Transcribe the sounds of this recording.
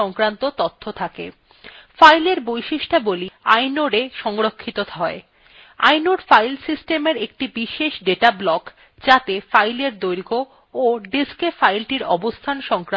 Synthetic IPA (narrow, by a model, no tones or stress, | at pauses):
ɔŋkɾant̪ot̪ot̪ʰːot̪ʰakḛ | fajleɾbojʃiʃʈaboliajnoɖeʃɔŋɾokʰːit̪ot̪ʰɦɔe | a̰jnoɖfajlsisʈemeɾek̚ʈibiʃeʃɖeʈablɔk | d͡ʑat̪efajleɾd̪ojɾɡo | oɖiskefajlʈiɾɔ̰bost̪ʰanʃɔŋkɾ